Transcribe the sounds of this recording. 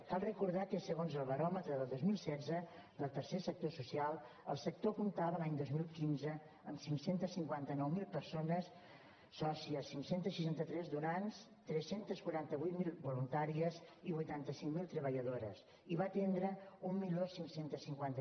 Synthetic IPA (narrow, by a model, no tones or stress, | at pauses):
kalˠrəkuɾðakəsəɣonzəlˠβəɾɔmət̪ɾəðəlˠd̪ozmilˠsɛd͡zəd̪əlˠt̪əɾsesək̚t̪osusialˠ | əlˠsək̚t̪okumt̪aβəlaɲd̪ozmilˠkinzə | əmsiŋksent̪əsiŋkwant̪ənɔwmilˠpəɾsonəsː | ɔsiəsiŋsent̪əsːiʃant̪ət̪ɾɛzd̪uɾans | t̪ɾɛsent̪əskwuɾant̪əβujt̪milˠβulunt̪aɾiəziβujt̪ant̪əsiŋmilˠt̪ɾəβəʎəðoɾə̰s | iβat̪end̪ɾəummiʎosiŋksent̪əsiŋkwant̪ə